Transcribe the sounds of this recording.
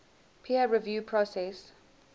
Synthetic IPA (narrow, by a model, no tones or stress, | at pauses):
pʰiəɹivjuːpʰɹɔsɛs